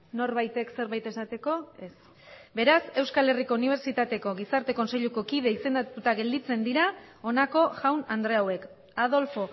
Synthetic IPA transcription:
no̞ɾβajt̪e̞kse̞ɾβajt̪e̞sat̪e̞ko̞e̞s | be̞ɾase̞wskale̞riko̞uniβ̞e̞ɾt͡ʃit̪at̪e̞ko̞ɣisaɾt̪e̞ko̞nse̞ʎuko̞kiðe̞ise̞nd̪at̪ut̪aɣe̞ld̪it͡se̞nd̪iɾao̞nako̞ʝawnand̪ɾe̞awe̞k | að̞o̞lfo̞

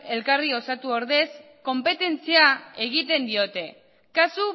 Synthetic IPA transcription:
e̞lkario̞sat̪uo̞ɾðe̞s | ko̞mpe̞t̪e̞nt͡siae̞ɣ̞it̪e̞nd̪io̞t̪e̞ | kasu

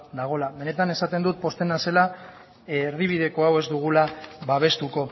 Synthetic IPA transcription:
d̪aɣ̞o̞laβe̞ne̞t̪ane̞sat̪e̞nd̪ut̪̚po̞st̪e̞nase̞laː | ɾðiβ̞iðe̞ko̞awe̞zd̪uɣ̞ulaβaβ̞e̞st̪uko̞

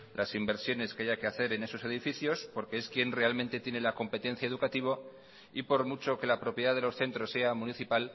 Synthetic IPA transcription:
lʔasimbe̞ɾsjo̞ne̞ske̞aʝake̞aθe̞ɾe̞ne̞so̞se̞ðifiθjo̞spo̞ɾke̞eskje̞nre̞almẽ̞nt̪e̞t̪je̞ne̞lako̞mpe̞t̪ẽ̞n̟θjae̞ð̞ukat̪iβ̞o | ipo̞ɾmut͡ʃo̞ke̞lapɾo̞pje̞ðaðelo̞sθe̞nt̪ɾo̞sːe̞amũniθipal

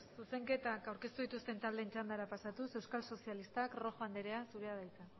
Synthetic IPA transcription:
suse̞ŋke̞t̪akawɾke̞st̪uðit̪ust̪e̞nt̪ald̪e̞ːnt͡ʃand̪aɾapasat̪use̞wskalso̞sialist̪akro̞xoand̪eɾe̞asuɾeaðajt͡sa

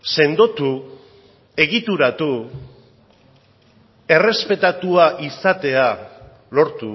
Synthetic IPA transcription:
se̞nd̪ot̪u | e̞ɣit̪uɾat̪u | e̞re̞spe̞t̪at̪uaʔisat̪e̞a | lo̞ɾt̪u

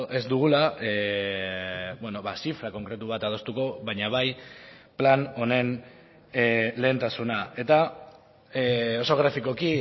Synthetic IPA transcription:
ʔe̞zd̪uɣ̞ula | bweno̞βasifɾako̞ŋkɾe̞t̪uβ̞at̪aðo̞st̪uko̞βajɲaβaj | plano̞ne̞n | le̞ːnt̪asunae̞t̪a | o̞soɣ̞ɾafiko̞ki

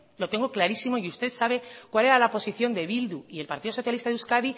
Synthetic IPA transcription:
lo̞t̪e̞ŋɡoklaɾisimo̞iust̪e̞ðsaβ̞e̞kwale̞ɾalaopo̞siθjo̞nd̪e̞βild̪uie̞lpaɾt̪iðo̞so̞θjalist̪aðuskaði

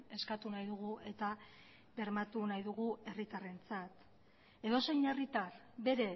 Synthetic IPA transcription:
e̞skat̪unajðuɣ̞ue̞t̪a | be̞ɾmat̪unajðuɣue̞rit̪are̞nt͡sat̪ | e̞ðo̞se̞jne̞rit̪ar | be̞ɾe̞

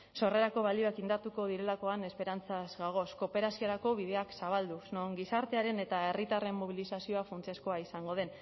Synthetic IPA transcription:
so̞re̞ɾako̞βalio̞akind̪at̪uko̞ðiɾe̞lako̞ane̞spe̞ɾant͡sazɡaɣ̞o̞sko̞pe̞ɾasioɾako̞β̞ið̞e̞aksaβald̪usnoŋɡisaɾt̪e̞aɾe̞ne̞t̪ae̞rit̪are̞mːoβilisasio̞afunt͡sesko̞aisaŋɡo̞ð̞e̞n

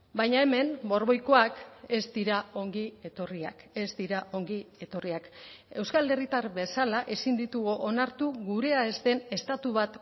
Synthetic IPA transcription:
bajɲae̞me̞mbo̞ɾβo̞jko̞ake̞zd̪iɾao̞ŋɡie̞t̪o̞ria̰ke̞zd̪iɾaʔo̞ŋɡie̞t̪o̞riake̞wskale̞rit̪aɾβe̞salaʔe̞sind̪it̪uɣoʔo̞naɾt̪uɣuɾe̞aezt̪e̞ne̞st̪at̪uβ̞at̪

